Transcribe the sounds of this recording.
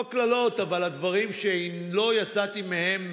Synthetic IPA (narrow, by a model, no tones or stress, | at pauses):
klalo̞t̪avalad̪vaʁimʃe | lo̞jat͡sat̪imehe̞m